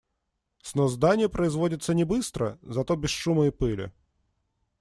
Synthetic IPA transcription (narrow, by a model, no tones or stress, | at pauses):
snozd̪anʲɪjəpɾəɪzvodʲɪt̪sənʲɪbɨst̪ɾə̰zɐt̪o̞bʲɪsʂuməɪpɨlʲɪ̰